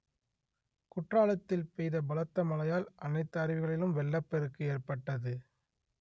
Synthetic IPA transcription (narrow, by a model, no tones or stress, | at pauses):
kʊʈraːlɐt̪ːɪlpejðɐbɐlɐt̪ːɐmɐlɐjaːlʔɐnɐɪt̪ːɐɐɾɪʋɯɣɐɭɪlɯmʋɛɭːɐpːɛɾɯkːɯeːrpɐʈːɐðɯ